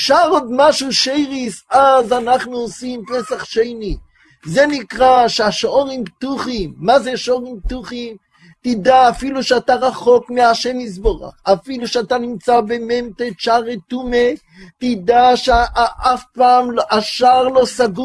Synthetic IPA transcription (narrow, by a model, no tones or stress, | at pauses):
ʃaʁod̪maʃuʃejʁisazanaχnuosimpesaχʃejni | zenikʁaʃeaʃoʁimpt̪uχimːazeʃoʁimp̚t̪uχim | t̪id̪aːfiluʃeat̪aʁaχo̞kmeaʃemis̬bo̞ʁa̰χafiluʃeat̪animt͡sabememt̪et͡ʃaʁet̪ume | tid̪aʃeaʔafpaːmlʔaʃaʁlo̞saɡu